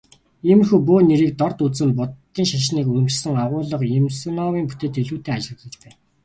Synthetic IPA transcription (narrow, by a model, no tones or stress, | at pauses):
imrxuːpuːneɾiːk̚t̪ɔrt̪ut͡sɘ̆npʊt̪ːiːŋʃaʃ̬niːkuɾ̆mt͡ɕsə̆ŋaʁʊːɮə̆qjemsnɔwiːŋpu̥t̪eːt̪eɮuːt̪ʰeːat͡ɕɪ̆rɮə̆t͡ɕpæːn